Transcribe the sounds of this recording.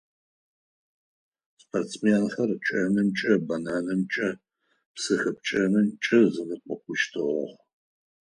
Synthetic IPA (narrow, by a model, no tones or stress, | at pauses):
spʰort͡smenxɐrt͡ʃʼɐnɨmt͡ʃʼɐbɐnaːnɨmt͡ʃʼɐ | psɨxɨp̚t͡ʃʼɐnɨmt͡ʃʼɐzɨnɨqʷʼɔkʷʰʼʊʃtʰɨʁɔ̰ʁ